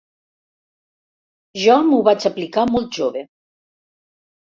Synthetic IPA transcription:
ʒɔmuβat͡ʃaplikamɔlˠt̪̚ʒoβe

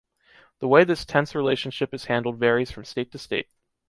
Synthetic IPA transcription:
ðəweɪðɪstʰɛ̃nsɹileɪʃɨ̃n̩ʃɪpɨz̥hæ̃ndˡl̩ˠdvɛɹiz̥fɹʌ̃msteɪtʰɨsteɪt̚

